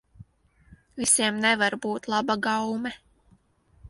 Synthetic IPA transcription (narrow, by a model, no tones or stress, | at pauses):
visiɛmnɛvaɾbuːt̪lˠɑbaɡawmɛ